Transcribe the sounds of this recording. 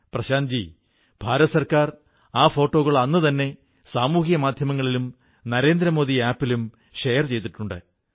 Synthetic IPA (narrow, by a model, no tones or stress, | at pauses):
prɐɕaːnd͡ʑi | b̥ʱaːɾɐɐsɐrkaːr | aːfo̞ːʈːo̞ːɣɐɭɐnːɨt̪ɐnːe̞ | saːmuːɦijɐmaːd̪ʱjɐmɐŋːɐɭilum | nɐɾe̞ːnd̪ɾɐmo̞ːðiaːpːilum | ʂejɐrt͡ɕe̞jt̪̬ːiʈːuɳɖɨ̰